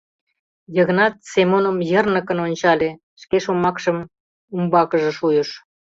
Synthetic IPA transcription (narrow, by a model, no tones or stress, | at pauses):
jəɣə̆nɑt̪̚semonəmjə̆rnə̆kə̆nonʲt͡ɕɑlʲe | ʃkeʃomɑkʃə̆m | umbɑkə̆ʒĕʃujə̆ʃ